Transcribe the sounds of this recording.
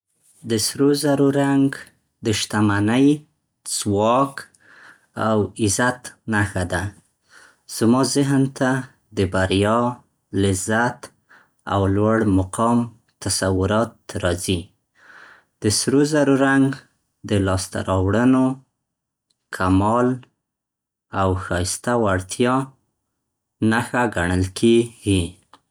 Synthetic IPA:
d̪əsɾozaɾoɾaŋɡ | d̪əʃt̪amanəj | z̥wɑk | awɪzat̪naxad̪a | z̥mɑzɪɦnt̪a | d̪əbaɾjɑ | lɪzat̪ | a̰wlwaɽmʊqɑm | t̪asawʊɾɑt̪ɾɑzi | d̪̥əsɾozaɾuɾaŋɡ | d̪əlɑst̪a̰ɾʔɑwɽəno | kʰamɑl | awxɑjst̪awaɽt̪ʰjɑ | naxaɡaɳəlkʰeɡi

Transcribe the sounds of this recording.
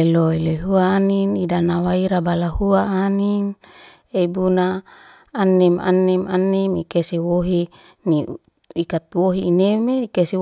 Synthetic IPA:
eloiloɦuaːninidanawaiɾabalahuaːnin | eibunaː | nːema̰nːɛmanːemikesewoɦi | ni | ikat̪̚woɦiːnemeikese

